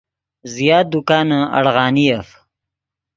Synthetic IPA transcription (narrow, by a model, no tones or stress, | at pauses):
zijaːd̪ukaːnəɐ̰ɽɣɑːniɐf